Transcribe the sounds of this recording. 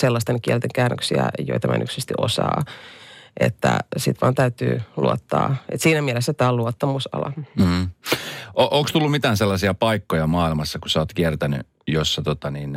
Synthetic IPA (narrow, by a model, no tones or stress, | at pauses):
selːɑst̪enkiɛlt̪eŋkæːnːøksiæ̰jo̰it̪ɑmʔæ̰nʔy̰ksist̪iʔosɑː | ʔet̪ːæsit̪ʋɑːnt̪æyt̪y̰ːluot̪ːɑːʔet̪siːnæmiɛlesːæt̪ɑːluot̪ːɑmusɑ̰lɑ | oʔokst̪ulːumit̪æːnselːɑsiɑpɑikːojɑmɑːilmɑsːɑkusɑoːt̪kiɛrt̪æny̰ | josːɑt̪ot̪ɑniːn